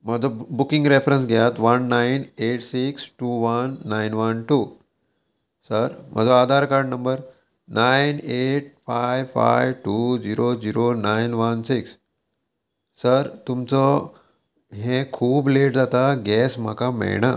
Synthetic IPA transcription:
mad͡zɔbukĩŋɡɾefɾəns̬ɡʱjat̪ʋənːaineʈsiksʈuʋənːajnʋənʈuː | səɾm̤a̰d͡zoad̪ʱaɾkaɾɖnəmbəɾ | nʔaineʈ̚fajʋfa̰jʋʈud͡ziɾod͡ziɾonajnʋənsiks | əɾt̪umt͡sɔ | ɦẽkʰuːbleʈd͡zat̪aɡʱɛsm̤a̰kamɛ̰ɭɳ̃a

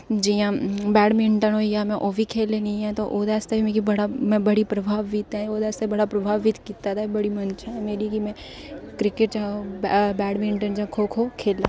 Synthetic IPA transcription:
d͡ʒijãbɛːɽmɪ̃ɳʈənɦoijamɛ̃ʔoːbʱikʰeːlenĩɛ̃t̪oʔod̪ɛːst̪abʱimẽkibɐɽamɛ̃bɐɽipɾɐbʱaːʋɪt̪ɦɛ̃od̪ɛːst̪ebɐɽapɾɐbʱaːʋɪt̪kit̪at̪ʰaibɐɽimɐnt͡ʃʰaɦɛmeːɾikimɛ̃ | kɾɪkɪʈd͡ʒaobɛːɖmɪ̃ɳʈənd͡ʒãkʰokʰoːkʰeːlaː

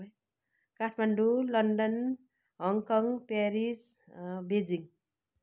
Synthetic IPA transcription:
kaʈʰmaɳɖulʌnɖʌn | ɦʌŋkʌŋpeɾis | bed͡ziŋ

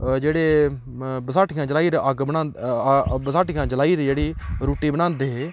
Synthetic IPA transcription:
d͡ʒeːɽeː | bəsaːʈʰɡãːd͡ʒəlaːiːɾəɡbnãː | bəsaːʈkãːd͡ʒəlaːiːɾd͡ʒeːɽiːɾuːʈiːbənãːnd̪eːɦeː

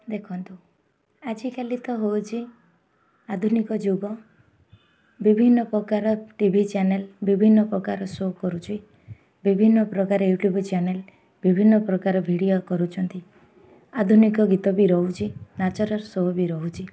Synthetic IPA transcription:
d̪ekʰɔnt̪u | ad͡ʒikelit̪ɔɦowt͡ʃʰi | ad̪ʱunikɔd͡ʒuɡɔ | bibʱinːɔpɾɔkaɾɔʈibʱit͡ʃanelbibʱinːɔpɾɔkaɾɔsokɔɾut͡ʃʰi | bibʱinːɔpɾɔkaɾɔjuʈjubt͡ʃanel | bibʱinːɔpɾɔkaɾɔbʱiɽijokɔɾut͡ʃʰɔnt̪i | ad̪ʱunikɔɡit̪ɔbiɾɔɦut͡ʃʰinat͡ʃɔɾɔɾsɔɦɔbiɾɔɦut͡ʃʰi

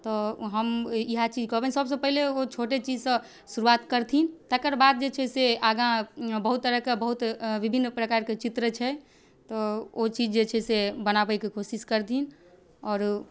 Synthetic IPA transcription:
t̪ɔɦəmiɦat͡ʃid͡ʒkɔbɛnsəbs̬ə̃pəɦileot͡ʃʰoʈet͡ʃid͡ʒsə̃ | suɾuat̪kəɾt̪ʰint̪ɛkəɾbad̪̚d͡ʒet͡ʃʰɛseaɡãbəɦut̪ːəɾəkebəɦut̪ʋibʱinːpɾəkaɾket͡ʃit̪ɾət͡ʃʰɛ | t̪ɔot͡ʃid͡ʒd͡ʒet͡ʃʰɛsebənabəjkekʰosiskəɾt̪ʰin | ɔːɾ

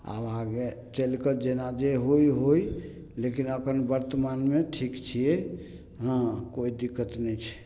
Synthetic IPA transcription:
a̰bãɡet͡ʃəlkəd͡ʒenad͡ʒeɦojɦoj | lekinəkʰənbəɾt̪əmanmeʈʰikt͡ʃʰije | ɦə̃koid̪ikːət̪nɛt͡ʃʰɛ̥

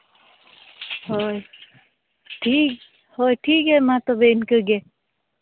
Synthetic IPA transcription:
ɦoj | ʈʰiːk | hoːjʈʰiːkɦɛmãt̪obeɪnkəɡe

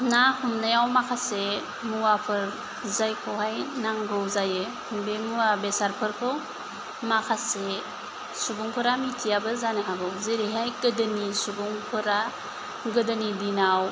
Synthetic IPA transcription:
nahumnɯjawmakʰase | muwapʰɯɾ | zajkʰoɦajnaŋɡɯwzaje | hubemuwabesaɾpʰɯɾkʰɯw | makʰase | subuŋpʰɯɾamitʰijabɯzaniɦaɡɯwzeɾiɦajɡɯdɯnisubuŋpʰɯɾa | ɡɯdɯnidinaw

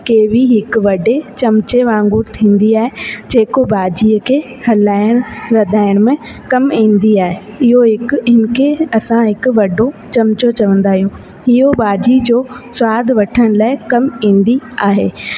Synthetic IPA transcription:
keːʋiɦɪkʊ̆ʋɐɖet͡ɕɐmt͡ɕeʋãːŋɡuːɾt̪ʰĩːn̆d̪iaːɦed͡ʑeːkobaːd͡ʑiːəkʰeː | hɐlaːɪɽ̃ɾɐd̪ʱaːɪɽ̃mẽ | kɐmɦĩːn̆d̪iaːɦeɪɦoɦɪkɪnkʰeɐsãɦɪkʊ̆ʋɐɖot͡ɕɐmt͡ɕot͡ɕɐʋə̃nd̪aːɦijũː | ɪɦobaːd͡ʑid͡ʑoːsʊaːd̪ʱʋɐʈʰəɽ̃laːɪkɐmɦĩːn̆d̪iaːɦeː

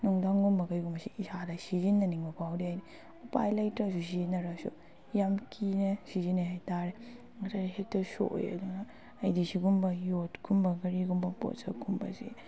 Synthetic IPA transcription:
nuŋdaŋɡumbɐɡɐjɡumbɐsiisadɐsizinːɐniŋbɐpʰawdiajni | upa̰jlɐjtɾas̬us̬inɐɾasṵ | jamkʰinesizineɦajtaɾe | ŋatʰaɾiɦetɐso̰jɐ̰duŋnɐː | jdisiɡumbɐjotɡumbɐɡɐɾiɡumbɐpo̰tsaɡʰumbɐ̰sḭ

